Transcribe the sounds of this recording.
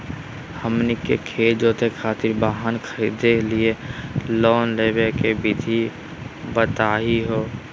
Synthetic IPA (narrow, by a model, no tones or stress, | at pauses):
həmnɪkḛkʰeːd͡ʒoːt̪ekʰaːt̪ɪɾbaːɦankʰəɾiːd̪elielɔːnleːbekebɪd̪ʱi | bət̪aːɦiɦoː